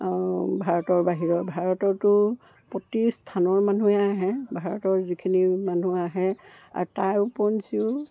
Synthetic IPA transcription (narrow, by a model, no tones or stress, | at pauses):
bʱaɹɔtɔɹbaɦiɹɔbʱaɹɔtɔɹtʊ | pɔtistʰanɔɹmanuɛaɦɛbʱaɹɔtɔɹzikʰinimanuaɦɛa̰ɹtajʊpɔnsiʊ